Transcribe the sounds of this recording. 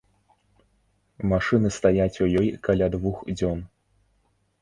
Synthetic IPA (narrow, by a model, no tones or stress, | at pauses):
maʂɨnɨst̪ajat͡sʲujɔjkalʲad̪vuxd͡zʲɔn